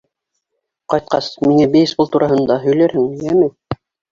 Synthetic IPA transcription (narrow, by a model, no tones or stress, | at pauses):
qɑjt̪̚qɑsmiŋæbɘ̆jɘsbɤlˠt̪uɾɑɦɤ̆nd̪ɑɦɵ̆jlæɾhɘŋjæmɘ